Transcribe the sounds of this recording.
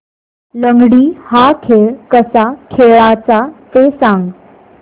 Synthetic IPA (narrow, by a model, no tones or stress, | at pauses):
ləŋɡɽiːhakʰeɭkəsakʰeɭat͡sat̪esãŋɡ